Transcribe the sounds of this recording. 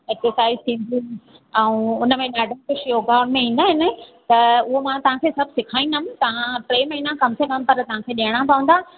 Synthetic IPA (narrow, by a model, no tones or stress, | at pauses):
eksəɾsaːɪizt̪ʰĩːn̆d̪ʱĩ | ɛ̃ũʊnəmẽɗaːɖ̃ʱkʊʃoːɡaːɽ̃mẽĩːnd̪aːɦɪnət̪ɐʊɦomãt̪ɐʋ̤ãkʰesɐbʱsɪkʰaːĩnd̪amt̪ɐʋ̤ãʈɾeːmɐɦinãkɐmsekɐmpɐɾt̪ɐʋ̤ãkʰeːɗiəɽ̃ãpɐʋũn̆d̪aː